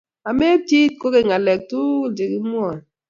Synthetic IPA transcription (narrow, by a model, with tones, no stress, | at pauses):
a˨me˦ti˦t̚ko˦ke˨ŋa˨lɛ˨k̚tu˦d͡ʒi˨ki˦m˦ɔ˨